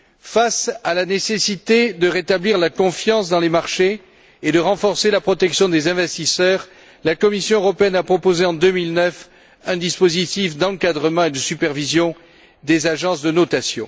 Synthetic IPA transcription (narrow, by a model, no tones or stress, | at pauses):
fasalanesesit̪ed̪əʁet̪abliʁlakɔ̃fjɑ̃sd̪ɑ̃lemaʁʃe | ed̪əʁɑ̃fɔʁselapχɔt̪ɛksjɔ̃d̪ezɛ̃vɛst̪isœʁ | lakɔmisjɔ̃øʁɔpeɛnapχɔpozeɑ̃d̪ømilnœf | ɛ̃d̪ispozit̪ifd̪ɑ̃kad̪ʁəmɑ̃ed̪əsypɛʁvizjɔ̃ | d̪ezaʒɑ̃sd̪ənɔt̪asjɔ̰̃